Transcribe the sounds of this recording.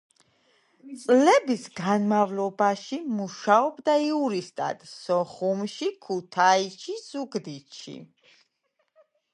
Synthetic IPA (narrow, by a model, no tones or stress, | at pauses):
t̪sʼlɛbisɡanmavlɔbaʃimuʃaɔbd̪aiuɾist̪ʼa̰d̪̥sɔχumʃikʰut̪ʰait͡ʃʰiz̥uɡd̪it̪ʃḭ